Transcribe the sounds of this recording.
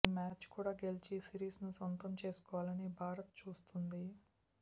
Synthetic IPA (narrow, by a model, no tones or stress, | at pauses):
imaːt͡ʃkuːɽaːɡe̞lit͡ʃisiɾiːsnusont̪ɐmt͡ʃe̞ːsu̥kɔːʋaːlɐnibʱaːɾɐt̪̚t͡ʃuːst̪und̪i